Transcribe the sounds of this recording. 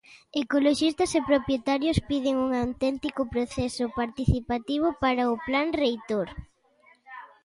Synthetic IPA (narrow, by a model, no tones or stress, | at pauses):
ekoloʃist̪ɐsepɾopjet̪aɾjʊspið̞ɪŋuŋawt̪ɛnt̪ikʊpɾoθɛsʊpaɾt̪iθipat̪iβ̞ʊpaɾaʊplaŋrejt̪oɾ